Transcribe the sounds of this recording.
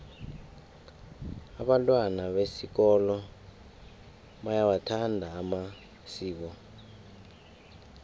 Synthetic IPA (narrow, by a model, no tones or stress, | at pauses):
aɓantʼwanaɓesik̬ɔlɔ | ɓajawatʰandʱaːma | siːkɔ